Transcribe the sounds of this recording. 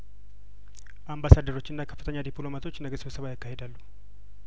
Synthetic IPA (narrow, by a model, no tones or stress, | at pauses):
ʔambasad̪əɾo̞t͡ʃːɨnːakʰə̥fːɨt̪ʰəɲːad̪ipʰʼlo̞mat̪ʰo̞t͡ʃːnəɡəsɨβsəβajakːahe̞d̪alːu